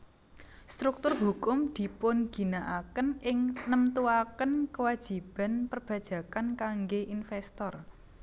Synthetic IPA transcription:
st̪ɾuk̚t̪ʊrɦukʊmd̪̥i̤pʊnɡ̥i̤naʔakənɪŋnəmt̪uakənkəwad̥ʒ̥i̤b̥a̤npərb̥ä̤d̥ʒ̥ä̤kankaŋɡeʔinfɛst̪ɔr

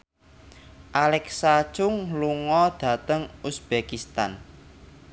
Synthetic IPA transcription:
ʔalɛksḁt͡ʃʊŋluŋɔd̪̥ä̤t̪əŋusb̥ekist̪a̰n

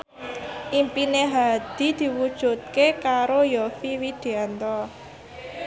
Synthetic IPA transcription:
ʔimpineɦad̪̥i̤d̪̥i̤wud̥ʒ̥ṳt̪̚kekaɾojɔfiwid̪̥e̤ant̪ɔ

